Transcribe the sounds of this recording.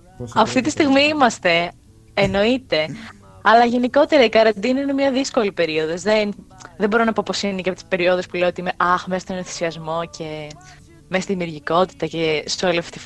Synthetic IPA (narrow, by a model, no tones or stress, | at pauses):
ɐft̪it̪ist̪iɣmiːimɐst̪e̞ː | no̞it̪e̞ | ɐlɐʝe̞niko̞t̪e̞ɾɐikɐɾɐnd̪inɐinemɲɐðisko̞lipe̞ɾio̞ðozðen | ðembo̞ɾo̞nɐpo̞po̞sineceɐpot̪i̥spe̞ɾio̞ðe̞spuleot̪iime̞ʔɐxmesɐst̪onoθi̥siɐzmo̞cʰe̞ | mest̪iðimiuɾʝiko̞t̪i̥t̪ɐcesoliɐfe̥t̪i